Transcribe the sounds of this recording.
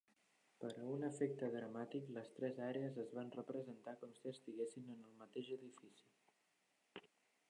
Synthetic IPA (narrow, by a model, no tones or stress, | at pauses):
pəɾəunəfɛk̚t̪əðɾəmat̪ikləst̪ɾɛzaɾeəzəzβanrəpɾəzənt̪akɔmsiəst̪iɣesinənəlˠmət̪eʒəðifisi̥